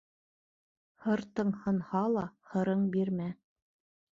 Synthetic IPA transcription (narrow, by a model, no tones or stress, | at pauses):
hɤɾt̪ɤ̆ɴhɤ̆nhɑlˠɑhɤ̆ɾɤɴbiɾmæ